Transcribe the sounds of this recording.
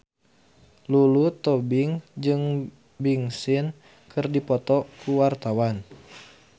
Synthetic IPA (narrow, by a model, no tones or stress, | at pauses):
lulut̪ɔbɪŋd͡ʒɨŋ | biŋsɪn | kʰɨrdipɔt̪ɔkuwart̪awan